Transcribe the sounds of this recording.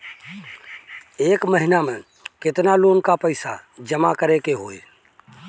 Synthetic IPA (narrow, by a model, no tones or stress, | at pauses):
eːkməɦinamẽ | kɪt̪naloːnkapəɪsa̰d͡ʒəmakəɾekeɦoːe